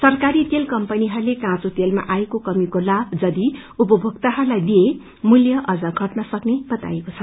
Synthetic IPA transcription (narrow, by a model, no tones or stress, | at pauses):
sʌrkaɾit̪elkʌmpʌniɦʌrlekãt͡sot̪elma̰ʔaekokʌmikolabʱd͡zʌd̪i | upʌbʱʌɡt̪aɦʌrlajd̪ie | muljʌʔʌd͡zʌɡʱʌʈnʌsʌkneb̥ʌt̪a̰jekot͡sʰʌ